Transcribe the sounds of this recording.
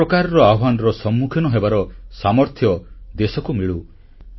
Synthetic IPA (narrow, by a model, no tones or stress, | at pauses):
ɔkaɾɔɾɔaɔɦanɔɾɔsɔmːukʰjɔnɔɦebaɾɔsamɔɾt̪ʰjɔd̪esɔkumiɭu